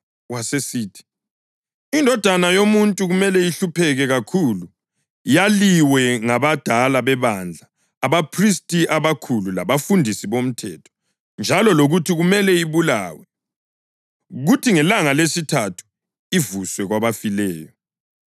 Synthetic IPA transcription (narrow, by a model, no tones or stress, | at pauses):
wasesiːtʰi̥ | indʱɔd̥ʱanajomuntʼuɣumɛlɛiɬupʰɛɣɛɣakʰulu | jaliwɛŋaβad̥ʱalaβɛβand͡ɮʱaː | βapʰris̬tʰʼiaβakʰulula̰βafundʱisiβom̩tʰɛtʰɔ̥ | nd͡ʒʱalɔloɣutʰiɣumɛlɛiβula̰ːwɛ | ɣutʰiŋɛlaŋalesitʰatʰu̥ | ivuswɛɣwaβafilɛːjɔ